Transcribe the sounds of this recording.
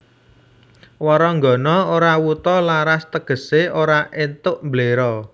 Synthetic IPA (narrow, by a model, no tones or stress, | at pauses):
wɔɾɔŋɡɔ̤nɔoɾawut̪ɔlaɾast̪əɡ̥ə̤seoɾaʔent̪ʊʔmbleɾɔ